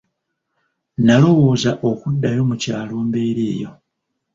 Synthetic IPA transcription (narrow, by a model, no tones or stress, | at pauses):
nalo̞wo̞ːzaʔo̞kudːajo̞mucaːlo̞ːmbeɾiːjo̞̰